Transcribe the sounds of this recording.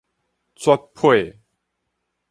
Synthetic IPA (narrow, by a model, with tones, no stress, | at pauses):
t͡sʰwa˦˥t̚pʰwe˥˨